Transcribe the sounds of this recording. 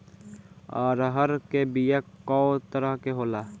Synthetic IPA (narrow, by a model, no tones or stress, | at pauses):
ɔ̰ːɾɦəɾkebijəkːɔ̃ːt̪əɾəɦkeɦoːlaː